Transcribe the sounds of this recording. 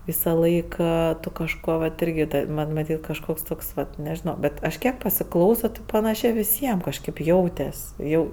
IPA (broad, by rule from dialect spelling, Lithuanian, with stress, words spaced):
ʋʲɪsɐˈlˠɐɪk ˈeː ˈtʊ kɐʃˈkoː ʋɐt ˈɪrʲɡʲɪ tɐɪ ˈmɐnʲ mɐˈtʲiːtʲ kɐʃˈkoːks ˈtoːks ʋɐt nʲɛʒʲɪˈnoː ˈbʲɛt ˈɐʃ ˈkʲiɛk pɐsʲɪˈklˠɐʊsoː tʲɪ pɐˈnɑːʃʲeː ʋʲɪˈsʲiɛm kɐʃʲˈkʲeːp ˈjɛʊtʲɛsʲ ˈjɛʊ